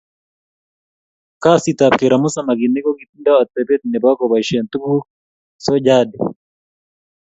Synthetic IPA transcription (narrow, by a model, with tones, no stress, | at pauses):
ka˦si˨t̪a˨p̚ke˨ɾa˨mu˦sa˦˨ma˨ki˨ne˦kɔ˦ki˨ti˦nda˦a˨t̪ːɛ˨bɛ˦t̪i˨nɛ˨ba˦kɔ˨βa˨i˨ʃɛ˨nt̪u˦bu˦ | sɔ˦d͡ʒa˦di˨